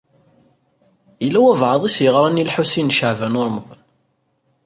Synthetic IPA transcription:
jəlːæwævʕəðˤisjəʁɾˤɑnilħusinʃəʕvænʊɾˤmðˤən

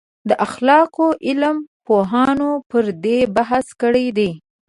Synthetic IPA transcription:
d̪əʔaxlɑqoʔɪlmpoɦɑnopəɾd̪ebaɦaskəɽejd̪e

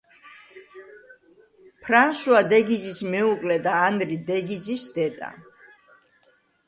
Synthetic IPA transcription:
pʰɾanʃuad̪ɛɡizismɛuqʼlɛd̪aːnd̪ɾid̪ɛɡizisd̪ɛt̪ʼa̰

